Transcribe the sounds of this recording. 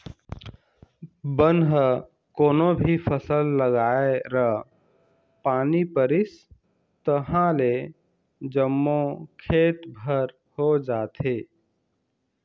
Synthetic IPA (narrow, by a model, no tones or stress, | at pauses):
bənɦə | koːnobʱipʰəsəlːəɡaeɾə | panipəɾis | t̪əɦãle | d͡ʒəmːokʰet̪bʱəɾ | hod͡ʒaːt̪ʰe